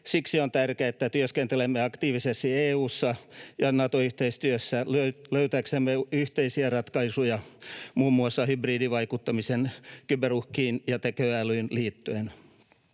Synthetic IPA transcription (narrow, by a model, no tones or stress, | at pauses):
siksiont̪ærkeæet̪ːæt̪yøskent̪elemːeɑkt̪iːʋisest̪ieːuːsːɑjɑnɑt̪oyht̪eist̪yøsːæløløyt̪æksemːeyht̪eisiærɑt̪kɑisujɑmuːmːuɑsːɑhybriːdiʋɑikut̪ːɑmisenkyberuhkiːnjɑt̪ekøælyːnliːt̪ːyen